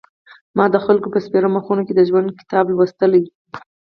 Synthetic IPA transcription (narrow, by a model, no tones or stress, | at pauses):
mɑd̪əxalkopəspeɾamaxunoked̪əʒwand̪̚kɪ̥t̪ɑblwəst̪əlaj